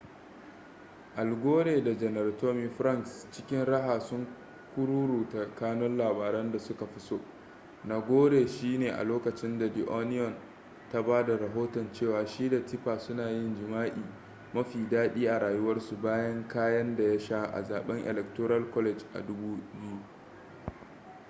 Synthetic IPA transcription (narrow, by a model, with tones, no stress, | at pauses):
ʔa˨lɡʷoː˦ɽeː˨da˨d͡ʒɛ˨nɐ˨rtoː˦mi˨ɸɾɐ˦ŋkst͡ʃɪ˦kʲɪ˦nɾɐ˦ɦaː˨sʊ˦ŋ | kʷʊ˦ɽuː˦ɾuː˨ta˨kaː˦nɔ˦nlaː˨baː˨ɾɐ˦nda˨sʊ˦ka˨ɸɪ˦soː˦ | na˦ɡʷoː˦ɽeː˨ʃiː˦neː˨ʔa̰˨loː˦kɐ˨t͡ʃɪ˦nda˨di˨ʔo˦nɪ˦jɔ˨n | ta˦baː˦da˨ɾa˨ɦoː˦tɔ˨nt͡ʃeː˦˨waː˨ʃiː˦da˨tɪ˦ɸaː˨sʊ˦naː˨jɪ˦nd͡ʒɪ˨maː˦ʔiː˨ | mɐ˦ɸiː˨daː˦ɗiː˦ʔa˨ɾaː˨jʊ˦wɐ˦rsu˨baː˦jɐ˦ŋkaː˦jɐ˦nda˨ja˦ʃa˦ʔa̰˨zaː˨ɓɛ˦ŋʔɛ̰˨lɛ˨k̚tɔ˦ɾɐ˦lkɔ˦lɛ˨d͡ʒʔa̰˨dʊ˦buː˦bɪ˦ju˦